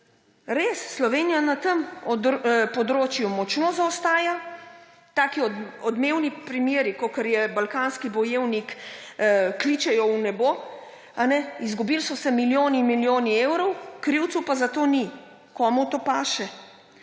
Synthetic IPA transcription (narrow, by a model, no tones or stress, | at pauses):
ɾeːsːlɔʋeːnijanat̪əm | pɔd̪ɾoːt͡ʃjumɔt͡ʃnozaɔst̪aːja | t̪aːkiɔɔd̪meːwnipɾimjeːɾikokɛɾjɛbalkaːnskibɔjeːwnik | klit͡ʃɛjɔunɛbo | anɛizɡubilsɔsɛmiljoːnimiljoːniewɾɔwkɾiwt̪supazat̪oːni | kɔːmut̪oːpaːʃɛ